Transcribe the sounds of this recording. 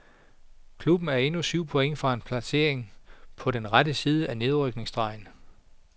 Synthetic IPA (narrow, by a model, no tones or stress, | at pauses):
kʰlub̥n̩æɐe̝nusyʊ̰pʰo̽eŋ̰fʁɑ̈e̝npʰlæse̝ɐe̝ŋpʰɒ̽ɾ̥enʁadəsiːð̞ˠəʔæne̝ð̞ˠʁœɡ̥ne̝ŋsd̥ʁɑ̈ɪ̰n